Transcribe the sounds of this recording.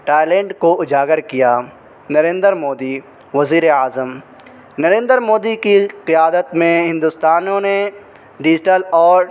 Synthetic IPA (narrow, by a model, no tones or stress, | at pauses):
ʈaːjlẽːɳɖkoʊd͡ʒaːɡəɾkijaː | nɐɾẽːnd̪əɾmoːd̪i | ʋɐziːɾeaːzəm | nɐɾẽːnd̪əɾmoːd̪ikiqɪjaːd̪ət̪mẽɦɪ̃nd̪ʊst̪aːnõne | ɖɪd͡ʒɪʈəlɔːɾ